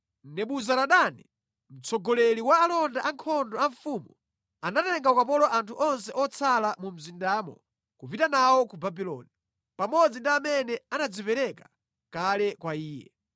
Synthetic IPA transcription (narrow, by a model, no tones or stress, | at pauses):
nɛɓuzaɾaɗani | m̩t͡sʰɔɡɔlɛliwaːlɔndaʔaŋkʰɔndɔaɱfumu | anatɛŋɡaukap̬ɔlɔʔantʰuʔɔnsɛʔɔt͡sʰalamum̩zindaːmɔ̰ | kupitanawɔkubabilɔ̰ni | pamɔd͡zindiamɛnɛanad͡zipɛɾɛkḁ | kalɛkwaiːjɛ̰